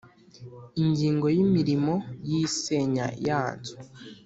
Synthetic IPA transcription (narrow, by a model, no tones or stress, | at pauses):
iɲɟiːŋɡo̞jimiɾimo̞jiseɲa̰jaːnzu̥